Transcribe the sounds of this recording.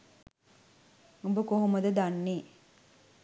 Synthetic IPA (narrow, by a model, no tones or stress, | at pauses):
ubəkoɦomɐd̪əd̪anːeː